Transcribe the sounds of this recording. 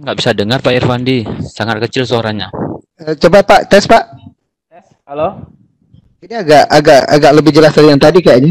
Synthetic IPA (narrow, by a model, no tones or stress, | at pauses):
ɡaʔbisadəŋarpaʔɛrfandisaŋat̪̚kət͡ʃɪlsəoɾaŋɲa | ət͡ʃobapaʔt̪ɛspaʔ | alo | iniaɡaʔaɡaʔa̰ɡaʔləbɪd͡ʒəlasd̪aɾjaŋt̪adikajaʔɲa